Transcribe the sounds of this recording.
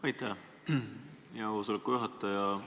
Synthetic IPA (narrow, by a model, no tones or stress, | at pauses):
ɑjt̪ˑːæ | jɑosolɛkːujuɦɑt̪ːɑjɑ